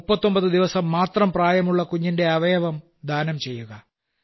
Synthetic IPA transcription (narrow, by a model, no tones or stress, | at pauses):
upːɐt̪ːo̞mbɐðɨd̪iʋɐsɐmːaːt̪rɐmpraːjɐmuɭːɐkuɲːinde̞ɐʋɐjɐʋɐm | d̪ʱaːnɐmt͡ɕe̞jːuɣɐ